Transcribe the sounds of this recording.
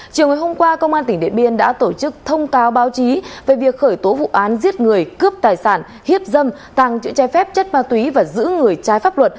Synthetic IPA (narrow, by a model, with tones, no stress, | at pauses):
t͡ɕi˨˩əwŋː˨˩jho˧mkwaː˧kə˧wŋ͡mʔaː˧nt̪ï˧˩ŋ̟ɗḭ˧˨əɓi˧˩ənɗa̰ː˧˥t̪o˧˩t͡ɕɨ˦˥k̚t̪ʰə˧wŋ͡mkaː˨˦wɓaː˨˦wt͡ɕi˨˦ve˨˩vi˨˩ək̚xəː˧˩jt̪o˨˦vṵ˧˨ʔaː˨˦nzi˦˥ət̚ŋɨ˨˩əjkɨ˦˥əp̚t̪aː˨˩jsaː˧˩n | hi˦˥əp̚zə˧m | t̪a˨˩ŋt͡ɕɨ̰˧˥t͡ɕɔ˨˦jfɛ˦˥p̚t͡ɕə˦˥t̚maː˧t̪wi˨˦vaː˨˩zɨ̰˧˥ŋɨ˨˩əjt͡ɕaː˨˦jfaː˦˥p̚lwə˨˩t̚